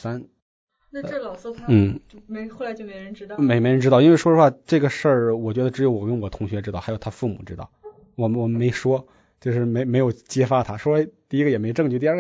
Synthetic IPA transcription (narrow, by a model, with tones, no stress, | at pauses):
sa˥n | na˥˧˥ln̩˥˩xo˥˩la˧˥ɪt͡ɕjo˥˩me˧˥ɪɻə˧˥nɻ̩˥˧me˧˥ɪme˧˥ɪɻnʈ͡ʂɻ̩˥t̪ɑ˥˩ʊi˥nwe˥˧ɪʂwɔ˥ə˧xwa˥˧ʈ͡ʂɤ˥˩ɡə˩ʂə˥˩wɔ˨˩t͡ɕɥɛ˧˥d̪ə˧ʈ͡ʂɻ̩˧˥jo˧˥ʊwɔ˨˩kə˧˥nwɔ˨˩t̪ʰʊ˧˥ŋɕɥɛ˧˥ʈ͡ʂɻ̩˥t̪ɑ˥˩xjo˨˩t̪ʰa˥fu˥˩mṵ˨˩ʈ͡ʂɻ̩˥t̪ɑ̰˥˩ʊ | wɔ˨˩wɔ˨˩me˧˥ɪʂwɔ˥ | t͡ɕjo˥˧ʊʂɻ̩˥˩me˧˥ɪme˧˥ɪjo˨˩ʊt͡ɕjɛ˥fa˥t̪ʰa˥ʂwɔ˥t̪i˥˧i˥ɡə˨jɛ˨˩me˧˥ɪ˧ʈ͡ʂɤ˥˧ŋt͡ɕy˥˧t̪i˞˥˧˥